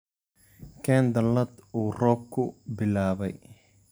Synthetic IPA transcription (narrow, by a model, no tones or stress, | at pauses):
kʰɛːnd̪ɐlːɐd̪uːrɔːb̚kʰʊbɪlaːβɛ̰j